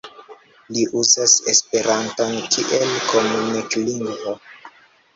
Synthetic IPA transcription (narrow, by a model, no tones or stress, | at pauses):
liʔuzasḛspe̞ɾʔantonkʰiʔelko̞munekliŋɡvo